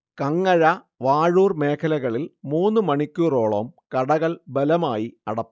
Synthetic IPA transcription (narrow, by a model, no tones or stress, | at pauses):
kɐŋːɐɻɐ | ʋaːɻuːrme̞ːkʰɐlɐɣɐɭilmuːnːɨmɐɳikʲːuːro̞ːɭoːmkɐɽɐɣɐlbɐlɐmaːjiɐ̰ɽɐpː